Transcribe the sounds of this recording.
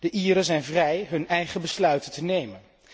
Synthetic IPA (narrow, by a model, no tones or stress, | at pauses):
d̥əʔiːɾənzɛjnvrɛjɦɵnɛjχəbəslœɥtətənejmən